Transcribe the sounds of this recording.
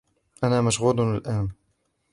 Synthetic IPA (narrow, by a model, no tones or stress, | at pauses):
ʔanaːmaʃɣuːd̪ˤalʔaːn